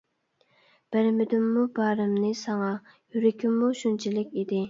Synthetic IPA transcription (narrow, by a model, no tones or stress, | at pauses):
b̥ɪɾmɪd̪ymːubɑːɾɨmnɨsɑŋɑ | jyɾɪkʲʰymːuʃunt͡ʃʰilɪkʲid̪ɪ